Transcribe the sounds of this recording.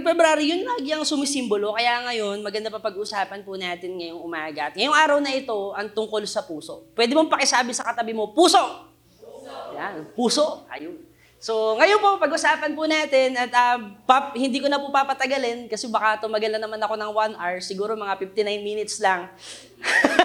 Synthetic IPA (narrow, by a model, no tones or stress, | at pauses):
ŋfɛbɾaːɾɪjʊnlaɡɪɐŋsʊmɪsimbolo̞kɐjaʔŋɐjo̞nmɐɡɐnd̪ɐpɐpɐɡʔʊsaːpɐnpʊnaːt̪ɪnŋɐjoŋʔʊmaːɡɐʔɐt̪̚ŋɐjoŋʔaːɾɐwnɐʔɪt̪o̞ɐŋt̪ʊŋko̞lsɐpuːso̞ʔpwɛːd̪ɪmoŋpɐkɪsaːbɪsɐkɐt̪ɐbɪmo̞puːso̞ | janpuːso̞ʔʔɐ̰jʊn | so̞ŋɐjonpopɐɡʔʊsaːpɐnpʊnaːt̪ɛnʔɐt̪ɐpahɪnd̪iːkonɐpʊpapɐt̪ɐɡɐlɛnkɐsɛbɐkat̪ʊmɐɡɐlnɐnɐmanɐko̞nɐŋwanʔɐɹsɪɡuːɾo̞mɐŋafɪft̪ɪnajnmiːnɪt̪slɐŋ